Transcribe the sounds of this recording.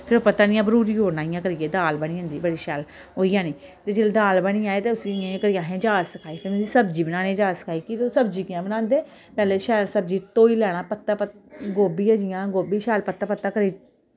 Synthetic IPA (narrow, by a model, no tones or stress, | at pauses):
pʰɪɾoːpət̪aːnɪjãːbəɾuːɾiːɦoːnaːɪjãːkəɾɪjeːd̪aːlbəɳ̃ĩːə̃nd̪iːbəɽiːʃɛːl | ɦoːijãːniːt̪eːd͡ʒeːld̪aːlbəɽĩːaːeːt̪eːʊsiɪjãːkəɾɪjãːɦẽːd͡ʒaːsəkʰaːiːpʰɪɾmɛ̃iːsəbd͡ʒiːbənãːnẽːd͡ʒaːsə̥kʰaːiːkit̪osəbd͡ʒiːkɪjãːbənãːnd̪eː | pɛːleːʃɛːlsəbd͡ʒiːt̪oːiːlɛːɽ̃aːpət̪ːaːpət̪ɡoːbiːãːd͡ʒɪjãːɡoːbiːʃɛːlpət̪ːaːpət̪ːaːkəɾiː